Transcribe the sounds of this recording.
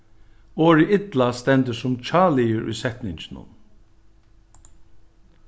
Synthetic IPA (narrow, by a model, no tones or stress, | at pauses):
oːɹiʔɪt̪last̪ɛnt̪əsʊmt͡ʃʰɑːlɪəɹʉ̰ːsɛt̪nɪɲt͡ʃnʊ̰n